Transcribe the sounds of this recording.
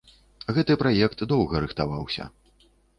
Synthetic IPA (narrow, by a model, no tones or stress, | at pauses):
ɣɛt̪ɨpɾajɛkt̪d̪ɔwɣɐɾɨxt̪avawsʲɐ̰